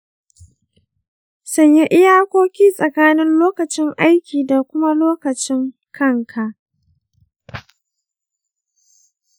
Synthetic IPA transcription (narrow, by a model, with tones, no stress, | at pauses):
sɐ˦ɲja˦ʔɪ˦jaː˦kʷoː˦kʲiː˦sʼɐ˨kaː˦nɪ˦nloː˦kɐ˨t͡ʃɪ˦ŋʔa˦jkʲiː˨da˨kʷʊ˦ma˦loː˦kɐ˨t͡ʃɪ˦ŋ | kʰɐ˦ŋkʰa˨ʔ